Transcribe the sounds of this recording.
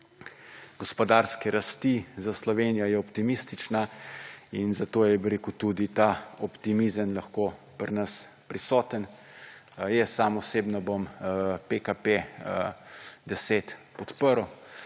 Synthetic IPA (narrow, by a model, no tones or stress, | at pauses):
ɡ̥ɔspɔd̪aːɾskɛɾʔast̪izaslɔʋeːnijɔjɛɔpt̪imist̪it͡ʃna | inzat̪oːjɛbiɾeːkut̪ud̪it̪aːɔpt̪imizəmlaxkoːpəɾnəs | pɾisɔːt̪ən | jɛsamɔseːbnabompekape | d̪ɛset̪pɔt̪pəɾu